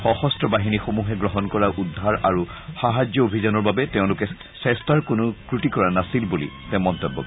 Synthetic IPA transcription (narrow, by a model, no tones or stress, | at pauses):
xɔxɔstʰɔbaɦinixomuɦɛɡɹɔɦɔnkɔɹaʔudʱːaɹaɹuxaɦad͡ʒjɔobʱizanɔɹbabɛtɛʊ̃lʊkɛ | sɛstaɹkʊnʊkɹutikɔɹanasilbulḭtɛ̃mɔntɔbːɔ̰k